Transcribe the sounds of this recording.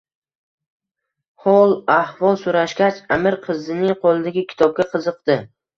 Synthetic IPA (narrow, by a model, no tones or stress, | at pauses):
hɒlˠahvɒlˠsʊɾaʃɡʲat͡ʃamɪɾqʰɨzɪnɪŋqʰolˠɪd̪aɡʲɪkʲʰɪ̥t̪ʰɒb̚ɡʲaqʰɨzɨq̚d̪̥ɪ